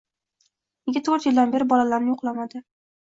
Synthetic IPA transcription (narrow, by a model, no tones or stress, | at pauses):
neɡʲat̪ʰoɾt̪jɪld̪anbe̞ɾɪbɒlalaɾnɪjoqlˠamad̪ɪ